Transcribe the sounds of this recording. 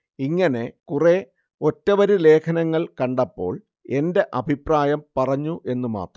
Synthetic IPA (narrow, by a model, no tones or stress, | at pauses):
iŋːɐne̞kure | o̞tːɐʋɐɾule̞ːkʰɐnɐŋːɐɭkɐɳɖɐpːo̞̰ːɭ | e̞nde̞ʔɐbʱipraːjɐmpɐrɐɲːuʔe̞nːuma̰ːt̪rɐ